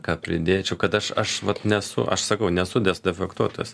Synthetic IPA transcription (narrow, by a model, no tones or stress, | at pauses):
kɑːpʲɾʲɪd̪ʲeːt͡ʃʲɛʊkɐt̪ɐʃɐʃʋɐt̪nʲɛsʊ̰ʔɐ̰ʃsɐkɐʊnʲɛsʊd̪ʲɛsd̪ʲɛfʲɛkt̪uɔt̪ojɛ̰s